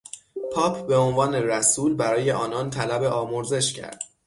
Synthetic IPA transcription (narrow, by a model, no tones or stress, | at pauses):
pʰɒːpʰbe̞o̞nvɒːne̞ræsuːlbæɾɒːje̞ʔɒːnɒːnt̪ʰælæbe̞ʔɒːmoɾze̞ʃcʰæ̰ɾd̪̥